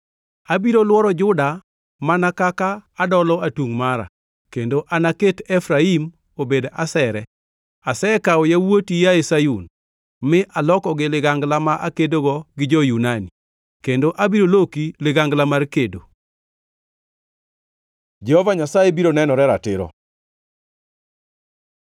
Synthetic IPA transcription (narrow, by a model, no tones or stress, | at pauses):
abiɾolwɔɾɔd͡ʒʊda | manakakaːdɔlɔatwuŋmaɾa̰ | kendoʔanaketɛfɾaim | obedasɛɾɛ | asɛkaɔjawotijaesajun | mɪʔalɔkɔɡɪlɪɡaŋɡlamaʔakedoɡɔɡɪd͡ʒɔjunani | kendoʔabiɾolokilɪɡaŋɡlamarkedo | d͡ʒɛhɔvaɲasajebiɾonɛnɔɾɛɾatɪɾɔ̰